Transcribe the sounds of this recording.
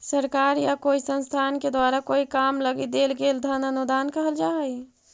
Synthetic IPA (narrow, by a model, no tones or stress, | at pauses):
səɾkaːɾjakoːisə̃nst̪ʰaːnked̪waːɾakoːikaːmləɡid̪eːlɡeːld̪ʱənənud̪aːnkəɦəld͡ʒaːɛi